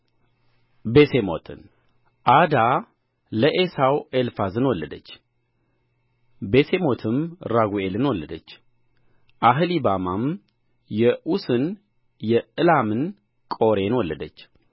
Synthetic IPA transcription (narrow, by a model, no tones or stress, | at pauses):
be̞semo̞̰t̪ʰɨn | ʔad̪a | ləʔesawelfazɨnwɔlːəd̪ət͡ʃː | be̞se̞mo̞t̪ʰɨmɾaɡuelɨnwɔlːəd̪ət͡ʃː | ʔaɦɨlibamam | jɛʔusɨn | jɛɨlamɨn | kʼo̞ɾe̞nwɔlːəd̪ət͡ʃː